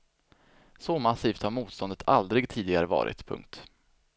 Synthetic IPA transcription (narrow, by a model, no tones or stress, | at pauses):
sɔmasiːft̪haɾmuːt̪st̪ɔnd̪ət̪ʰald̪ɾɪɡt̪ʰiːd̪ɪɡaɾəvɑ̰ːɾʔɪ̰t̪pʰɵ̰ŋk̚t̪